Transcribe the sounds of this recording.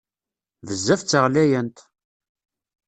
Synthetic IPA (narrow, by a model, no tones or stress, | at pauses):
vəzːæft͡sːəʁlæjænt̪